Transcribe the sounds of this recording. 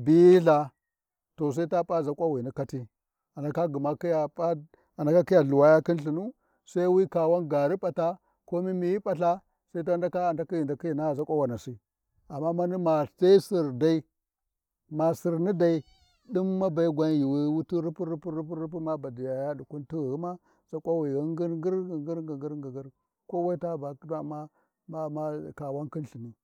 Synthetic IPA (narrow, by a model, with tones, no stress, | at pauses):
bi˦jɬa˨ | to˨s̬a˦i˦ta˦pʼa˦za˨kʷʼa˦wi˨ni˦ka˦ti˦ | a˨na˨ka˦ɡu˨ma˦ki˦ja˨pa˦ | a˨na˨˦ka˦ki˦ja˨ɮu˨wa˦ja˦ki˦nɬi˨nu˦ | sa˦i˦wi˦ka˨wa˦nɡa˨ɾi˦pʼa˨ta˦ | ko˦mi˦mi˨ji˦pʼa˨ɬa˦ | sa˦i˦ta˦nda˦ka˦a˨nda˦ki˦ji˨nda˨ki˦ji˨na˦˨za˦kʷʼa˦wa˨na˨si˦ | a˨mːa˦ma˦ni˦ma˨ta˦i˦si˨ɾda˦i˦ | ma˨si˨ɾni˦da˨i˨ | ɗi˦mːa˦ba˨i˦ɡʷa˦nji˨wi˦wu˦tu˦ɾu˦pu˦ɾu˦pu˦ɾu˦p̬u˦ɾu˦p̬u˦ma˦ba˨di˨ja˨ja˦ɗu˨ku˦nti˦ɣɣi˦ma˦ | za˦kʷʼa˦wi˨i˦ŋɡi˦ɾɡi˦ɾɡŋɡi˦ɾɡi˨ɡi˦ɾɡi˨ɡi˦ɾ | ko˦wa˦i˦ta˦ba˨˦da˦˨ma˦ | ma˦ma˦ka˨wa˦nki˦nɬi˨mi˦